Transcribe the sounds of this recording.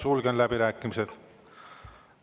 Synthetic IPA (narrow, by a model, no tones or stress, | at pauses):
sulkenlæpiɾæːkːimiset̪